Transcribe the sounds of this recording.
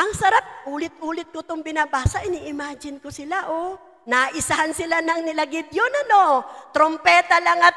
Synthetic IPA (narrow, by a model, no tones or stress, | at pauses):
ʔɐŋsɐɾap̚ʔuːlɪt̪̚ʔuːlɪt̪̚kot̪ʊŋbɪnabaːsɐʔɪniʔɪmaːd͡ʒɪnkosɪlaʔo | naʔɪsahansɪlanɐŋnɪlaɡɪd̪jonɐnot̪ɾompɛːt̪ɐlaŋɐt̪